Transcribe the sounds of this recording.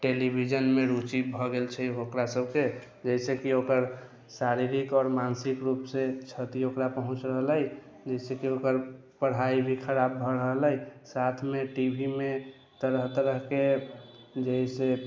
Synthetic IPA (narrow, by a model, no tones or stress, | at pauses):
ʈelibʱid͡ʒənmeɾut͡ʃibʱɔɡelt͡ʃʰɛɦokɾasəb̚ke | d͡ʒəɪsekiokəɾ | saɾiɾikɔːɾmansikɾupset͡ʃʰət̪iokɾapəɦũt͡ʃɾəɦələj | d͡ʒəɪsekiokəɾ | pəɽ̤aibʱikʰəɾabːʱɔɾəɦələjsat̪ʰmeʈibʱime | t̪əɾəɦt̪əɾəɦke | d͡ʒəise